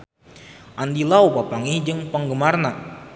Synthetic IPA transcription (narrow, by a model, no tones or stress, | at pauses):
ʔandilaupapaŋid͡ʒɨŋpəŋɡəmarna